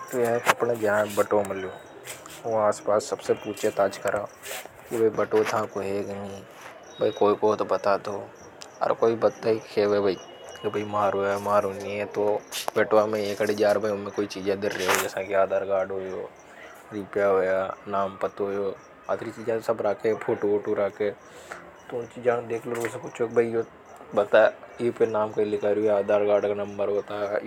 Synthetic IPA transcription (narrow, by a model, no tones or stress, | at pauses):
t̪ojkɐpned͡ʒãbɐʈomɪloː | oaːspaːsːɐbsepuːt͡ʃʰet̪aːt͡ʃkɐɾãː | kibʱɐibɐʈot̪ãkoɦeɡnĩ | bʱɐikoːikot̪obɐt̪at̪oː | ɐ̰ɾkoːibɐt̪ːaikʰebʱebʱɐi | kebʱɐimaːɾɦoːjamaːɾoniɛ̃t̪obɛːʈʋamẽeːkɐɽed͡ʒaːɾbʱaʊmẽkoːit͡ʃiːd͡ʒɛd̪ɪɾːeod͡ʒɛːsãkeaːd̪aːɾɡaːɾɖɦoːjoː | ɾiːpjaɦoːjaːnaːmpɐt̪ɦoːjoː | at̪ʰɾit͡ʃiːd͡ʒɛsɐbɾaːkepʰoːʈooːʈoɾaːke | t̪ot͡ʃid͡ʒaːñd̪eːkʰloɾoɡesekʊt͡ʃʰoːkbʱɐijo | bɐt̪aipenaːmkɐilɪkaɾuaːd̪ʱaːɾɡaːɾɖkanɐ̃mbəɾɦoːt̪a